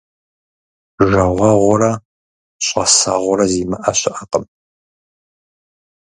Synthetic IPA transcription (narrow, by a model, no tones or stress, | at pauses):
ʒɐʁʷɐʁʷɔɾɐ | ɕʼɐsɐʁʷɔɾɐziːmɐʔɐɕɪʔɐqəm